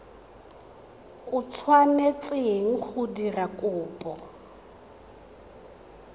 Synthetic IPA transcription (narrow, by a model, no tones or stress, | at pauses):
ʊt͡sʰwanet͡sʼeŋ̩k͡xʊdirakʼʊːpʼɔ